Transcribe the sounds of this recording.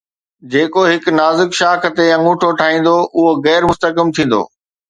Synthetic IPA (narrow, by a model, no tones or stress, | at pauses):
d͡ʑeːkoɦɪknaːzɪkʃaːkʰə̆t̪eɐ̃ŋũːʈʰoʈʰaːɦĩːn̆d̪oʔʊɦoɣɛːɾmʊst̪əkɪmt̪ʰĩːn̆d̪o̰ː